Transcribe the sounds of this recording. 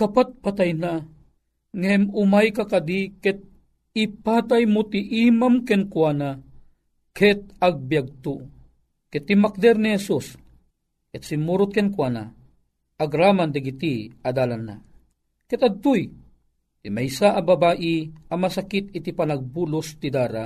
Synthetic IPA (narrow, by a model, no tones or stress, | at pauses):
kapat̪̚pat̪ajna | ŋɛmʊmajkakad̪ikɛt̪̚ | ipaːt̪ajmut̪iʔimamkɛnkwana | kʰɛt̪̚aɡ̚bjaɡ̚t̪o | kɛt̪ːimak̚d̪ɛɾnihɛsus | kɛt̪simːuɾʊt̪̚kɛnkwaːna̰ | ɐɡɾaːmand̪ɐɡit̪iɐd̪aːlanːa̰ | kɛt̪ad̪̚t̪uj | t̪imɛjsaʔɐbabaːʔiɐmɐsakit̪̚it̪ipanaɡ̚bulʊst̪id̪aːɾa̰